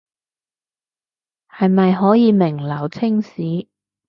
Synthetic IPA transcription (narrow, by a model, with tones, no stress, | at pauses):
hɐ˨jmɐ˨jɦɔː˨˥jiː˨˧mɪ˨˩ŋlɐ˨˩wt͡sʰɪ˥ŋsiː˨˥